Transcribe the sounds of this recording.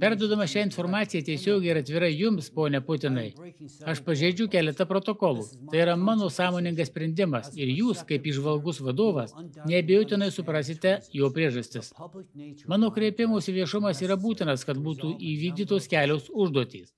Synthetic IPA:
pʲæɾd̪uɔd̪ɐmɐʃʲɛːɪnfoɾmɑːt̪sʲɪjɛːt̪ʲɛsʲoːɡʲɛɪɪɾɐt̪ʲʋʲɪɾɐjʊmspoːnʲɛpʊt̪ʲɪnɐɪɐʃpɐʒʲeɪd͡ʒʲʊkʲæːlʲɛt̪ɐpɾot̪oːkɔlˠuːt̪ɐɪiɾɐmɑːnoːsɑːmoːnʲɪŋɡɐssʲpʲɾʲɛnʲd̪ʲɪmɐsɪɾjuːskɐɪpiːʒʋɐlˠɡʊsʋɐd̪oːʋɐsnʲɛɐbʲejoːt̪ʲɪnɐɪsʊpɾɑːsʲɪt̪ʲɛjoːpʲɾʲiɛʒɐsʲt̪ʲɪs | mɑːnoːkɾʲiɛpʲɪmoːsʲiʋʲiɛʃʊmɐsiːɾɐbuːt̪ʲɪnɐskɐt̪buːt̪uːʔiːʋʲiːɡ̚d̪ʲiːt̪oːskʲæːlʲoːsʊʒd̪uɔt̪ʲḭːs

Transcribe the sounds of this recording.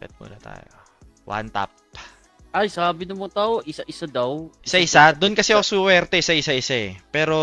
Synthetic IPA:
pɛ̰t̪̚mʊ̰lat̪a̰ːjo | wa̰nt̪a̰p̚ | ʔɐjsaːbɪnɐmot̪aoʔɪsaʔɪsad̪ɐwʔɪsaʔɪsad̪ʊnkɐsɛoosuwɛɾt̪ɛsɐʔɪsaʔɪsaɛpɛːɾo̞

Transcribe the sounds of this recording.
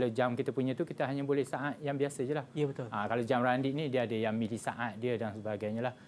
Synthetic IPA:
lad͡ʒamkit̪apuɲãt̪ukit̪aɦaɲãbolɛhsaʔat̪̚jaŋbiasəd͡ʒəlahjəbət̪ʊlakalad͡ʒamrandiʔnĩdiəadəjaŋmilisaʔat̪̚diədansəbaɡajɲãla

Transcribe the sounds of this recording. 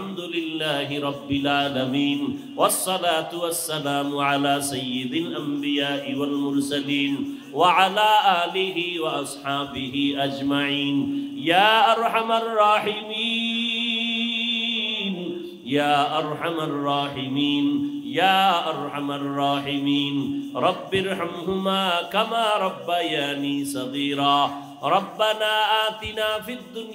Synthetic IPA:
amd̪ʊlɪlːaːɦɪɾˤɑbːɪlʕaːlɐmiːn | wɐsˤːɑlaːt̪ʊwɐsːɐlaːmʊʕalaːsɐjːɪd̪ɪlʔambɪjaːʔɪwɐlmʊɾsɐliːn | waʕalaːʔaːlɪɦɪwɐʔɑsˤħaːbɪɦiːʔɐd͡ʒmaʕiːnjaːʔɑɾˤħamarˤːɑːħɪmiː | n | jaːʔɑɾˤħamarˤːɑːħɪmiːnjaːʔɑɾˤħamarːɑːħɪmiːnɾˤɑbːɪɾħamɦʊmaːkamaːɾˤɑbːajaːniːsɑɣiːɾaː | ɾˤɑbːanaːʔaːt̪ɪnaːfid̪ːʊnj

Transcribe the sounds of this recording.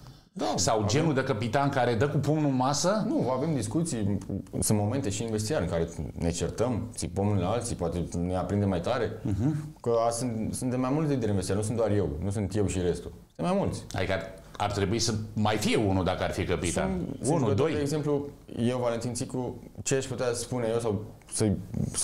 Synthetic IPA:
d̪asawd͡ʒe̞nuɾd̪ekəpit̪ankaɾed̪əkupumnumasənuave̞md̪iskut̪sijsunt̪mo̞me̞nt̪e̞ʃiːnvest̪iaɾɨŋkaɾe̞ne̞t͡ʃert̪əmt̪sipəmnlaalt̪sipoat̪e̞neapɾind̪emajt̪aɾe̞ɦkəasɨnt̪sunt̪d̪emajmult̪edeid̪eɾeinvest̪iaɾnus̬und̪oaɾje̞wnus̬ɨnt̪je̞wʃiɾe̞st̪u | ɨnmajmult̪sʲa̰d̪ikə | a̰rt̪ɾebuisəmajfieunud̪akəarfikəpit̪a̰sunnud̪ojd̪eːɡze̞mpluje̞wvale̞nt̪insikut͡ʃeaʃput̪easpunejewsaw | sə

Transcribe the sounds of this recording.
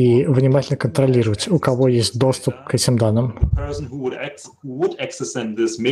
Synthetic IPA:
ivnʲɪmatʲɪlʲnəkənt̪ɾɐlʲiɾəvətʲʊkɐvo̞jesʲtʲd̪o̞st̪ʊp̚kɛtʲɪmd̪anːɨmpʰɜ˞sn̩huwʊɾɛ | uwʊdɛksəsɛ̃nðɪsme

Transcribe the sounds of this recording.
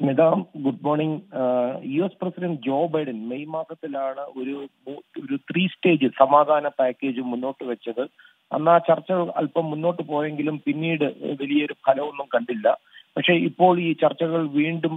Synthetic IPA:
nid̪aːmɡuɖmo̞ːrɳiŋ | juesprɐsidɐɳɖd͡ʑo̞ːbɐjɖɐnmejmaːsɐt̪ːilaːɳɨo̞ɾumuːoɾut̪ʰriːsʈe̞ːd͡ʑɨsɐmaːd̪ʱaːnɐpaːkʲːe̞ːd͡ʑumːunːo̞ːʈːɨʋɐt͡ɕːɐðɨ | ɐ̰nːaːt͡ɕɐrt͡ɕːɐɣɐɭɐ̰lpɐmːunːo̞ːʈːɨpo̞ːjeŋɡilumpinːiːɽɨʋelijɐoɾumkʰɐlɐʋonːumkɐɳɖilːɐpɐkʂe̞ipːo̞ːɭiːt͡ɕɐrt͡ɕːɐɣɐɭʋiːɳɖum

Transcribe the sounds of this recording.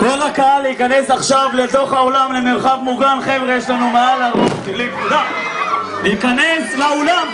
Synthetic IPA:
ko̞lakaaleikane̞saχʃavle̞t̪o̞χhao̞lamlemeʁχavmuɡanχevʁejeʃlanumealaʁuχtivlikkud̪a | leikanesleolam

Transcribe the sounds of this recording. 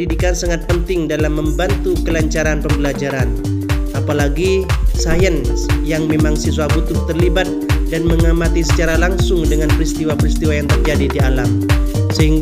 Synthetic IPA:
idikansaŋat̪̚pənt̪ɪŋdalamːəmbant̪ukəlaɲt͡ʃaɾanpəmbəlad͡ʒaɾan | ʔapalaɡisajənsjaŋmemaŋsisuabut̪ʊht̪ərlibat̪̚danməŋamat̪isət͡ʃaɾalaŋsʊŋdəŋanpəɾist̪iwapəɾist̪iwajaŋt̪ərd͡ʒadidialamsəhiŋɡ

